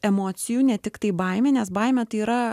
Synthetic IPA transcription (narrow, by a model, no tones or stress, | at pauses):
ɛmoːt̪sʲɪjuːnʲɛt̪ʲɪkt̪ɐɪbɐˑɪmʲeːnʲɛsbɐɪmʲɛt̪ɐɪiːɾɐ